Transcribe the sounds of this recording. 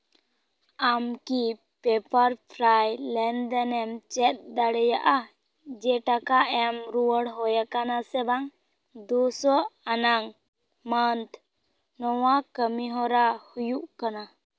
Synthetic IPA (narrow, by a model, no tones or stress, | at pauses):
amki | pɛpəɾpʰɾajlɛnd̪ɛnɛmt͡ʃɛt̪̚ˀd̪aɽɛjaʔa | d͡ʒɛʈakaʔɛmɾuwəɽɦɔjakanasɛbaŋ | d̪usɔanaŋ | mant̪ʰ | nɔwakəmiɦɔɾahujuʔkana